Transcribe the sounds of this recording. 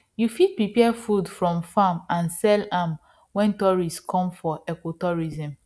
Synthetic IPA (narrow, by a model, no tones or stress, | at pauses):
jufit̚pɹipɛfudfɹɔ̃mfamãnsɛlãm | wɛ̃ntɔɹiskʰɔ̃mfɔʔɛkotɔɹizɛ̃m